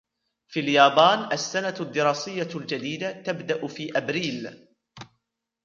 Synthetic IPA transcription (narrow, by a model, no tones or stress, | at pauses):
fiːljaːbɑːnʔasːanad̪ːɪɾˤɑːsɪjːald͡ʒad̪iːd̪at̪abd̪aʔʊfiːʔabɾiːl